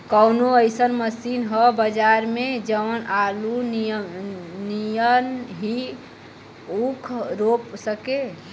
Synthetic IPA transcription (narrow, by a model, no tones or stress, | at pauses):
kəwnoəjsənməsinɦəbəd͡ʒaɾmed͡ʒəʋənalun | nijənɦi | ukʰɾopsəke